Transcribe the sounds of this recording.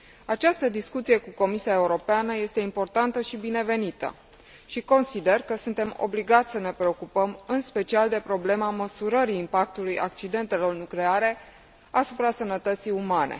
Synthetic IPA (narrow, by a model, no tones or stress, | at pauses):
at͡ʃast̪əd̪iskut̪sije̞kuko̞misiae̞uɾo̞peanəje̞st̪e̞impo̞rt̪ant̪əʃibine̞ve̞nit̪ə̰ | ʃiko̞nsid̪e̞rkəsunt̪e̞mo̞̰bliɡat̪sʲsəne̞pɾe̞o̞kupəmɨnspe̞t͡ʃiald̪e̞pɾo̞ble̞maməsuɾəɾiːmpak̚t̪uluja̰k̚t͡ʃid̪e̞nt̪e̞lo̞rnukle̞aɾe̞ | asupɾasənət̪ət̪sijumanʔe̞̰